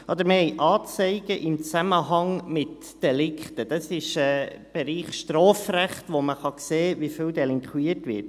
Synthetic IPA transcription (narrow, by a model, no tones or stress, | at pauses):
ʔɑd̪əɾməhɛɪʔɑːt͡sɛɪɡ̥əʔɪmt͡sæməɦɑŋmɪt | d̥ɛlɪkʰtəd̥ɑsɪʃɛ | b̥ɛɾiːχʃtroːfræχt̪ʋoməχɑkseːvifyːwdɛlɪŋkχwiətʋɪ̰ɾt̚